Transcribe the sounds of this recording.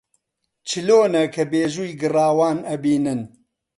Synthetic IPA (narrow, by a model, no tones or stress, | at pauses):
t͡ʃʰɨloːnɐkʰɐbeːʒuːjɡɨraːwaːnɐbiːnɨn